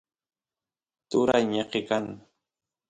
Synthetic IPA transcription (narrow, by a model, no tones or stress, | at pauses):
t̪ʊɾajɲeqekaŋ